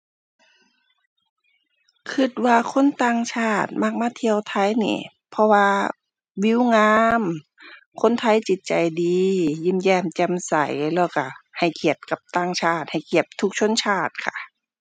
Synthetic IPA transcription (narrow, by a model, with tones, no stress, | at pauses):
kʰɯ˧t̪̚waː˧kʰo˧˥˨nt̪aː˧˨ŋt͡ɕʰaː˧˩t̪̚ma˧˩k̚maː˧˥t̪ʰi˧əwt̪ʰa˧˥˨jnḭː˧˩ | pʰɔ˧waː˧ | wi˧˥˨wŋaː˧˥m | kʰo˧˥˨nt̪ʰa˧˥˨jt͡ɕi˨˧˦t̪̚t͡ɕa˨˩jdiː˨˧ji˧˥˨mjɛː˧˩mt͡ɕɛ˧˥msa̰˧˩jlɛː˧˩wka˧˩ha˨˩jkʰi˧˩ət̪̚ka˧˦p̚t̪aː˧˩ŋt͡ɕʰaː˧˩t̪̚ha˨˩jkʰi˧˩əp̚t̪ʰu˧k̚t͡ɕʰo˧˥˨nt͡ɕʰaː˧˩t̪̚kʰa˧˩˨